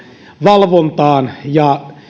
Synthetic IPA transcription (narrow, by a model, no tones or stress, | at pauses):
ʋɑlʋont̪ɑːnjɑ